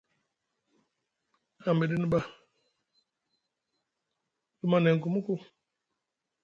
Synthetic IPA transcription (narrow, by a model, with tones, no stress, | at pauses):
a˨m̩˨be˨di˦ni˦ba˦ | du˦ma˦ne˨ŋ̩˨ku˨mu˦ku˦